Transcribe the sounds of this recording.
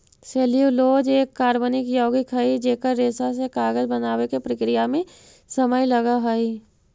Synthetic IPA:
seːlijuloːd͡ʒeːkːaːɾbənɪkjoːɡikɦɐid͡ʒeːkəɾːeːsasekaːɡəd͡ʒbɐnaːwekepɾəkɾɪjamẽ | səməjlɐɡaɦɐi

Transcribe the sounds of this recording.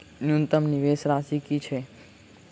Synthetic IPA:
njunt̪əmniʋesɾasikit͡ʃʰe

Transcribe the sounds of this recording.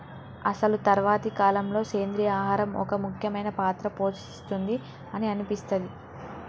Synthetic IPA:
ɐsɐlut̪ɐɾʋaːt̪ikaːlɐmlo̞ːke̞ːnd̪ɾijaːɦaːɾɐmɔ̰kɐmukʰjɐmɐjnɐpaːt̪ɾɐpo̞ːt͡ʃist̪und̪i | ɐniɐnipist̪ɐd̪i

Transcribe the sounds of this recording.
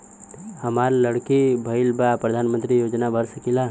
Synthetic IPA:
hɐmaɾləɽkibʱəɪlbapɾɐd̪ʱaːnmə̃nt̪ɾijoːd͡ʒnabʱəɾsəkila

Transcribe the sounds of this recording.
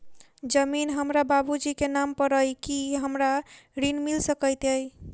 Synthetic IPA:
d͡ʒəminɦəmɾababud͡ʒikenampəɾəjkiɦəmɾaɾinmilsəkəjt̪əj

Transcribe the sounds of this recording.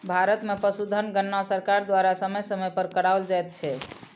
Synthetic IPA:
bʱaɾət̪mepəsud̪ʱənɡənːasəɾkaɾd̪waɾasəməjsəməpəɾkəɽaold͡ʒajt̪̚t͡ʃʰɛ

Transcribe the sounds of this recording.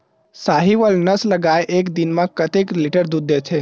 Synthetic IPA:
saːɦiʋəlnəsləɡaːeʔeːkd̪inmãkət̪eklɪʈəɾd̪ud̪ʱet͡ʃʰe

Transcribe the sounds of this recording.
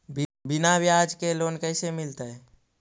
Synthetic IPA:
bɪnabjad͡ʒkeloːnkəɪsemɪlt̪əɛ

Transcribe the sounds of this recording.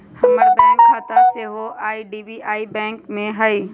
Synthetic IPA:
hɐməɾbɛ̃ːŋkkʰat̪aseːɦoʔaːiɖiːbiaːibɛ̃ːŋkmẽɦɐiː

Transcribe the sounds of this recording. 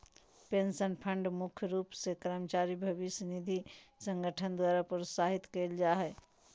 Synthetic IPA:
peːnsənpʰə̃ɳɖmʊkʰjɾuːpsekɾəmt͡ʃaːɾibʱəʋɪsjnid̪ʱisə̃ŋɡəʈʰənd̪waːɾapəɾʊsaːɦɪt̪keːld͡ʒaːɦɛ

